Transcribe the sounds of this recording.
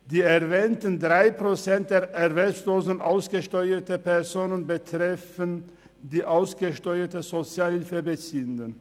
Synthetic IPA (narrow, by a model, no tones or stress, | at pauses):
d̥iːɛʁvɛːntəndʁaɪpʁ̥ot͡sɛnt̚d̥eːɐʔɛʁvɛlsloːzənʔaʊsɡ̥əʃtɔʏɐtəpʰɛʁzoːnənbətʁ̥ɛfən | diːʔaʊsɡ̥əʃtɔʏɐtəzot͡sjaːlhɪlfəbət͡siːəndən